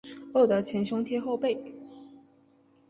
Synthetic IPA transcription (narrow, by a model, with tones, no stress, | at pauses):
lo˥˩d̪ə˧˥t͡ɕʰjɛ˧˥nɕjʊ˥ŋt̪ʰjɛ˥xo˥˧ʊpe˥˩ɪ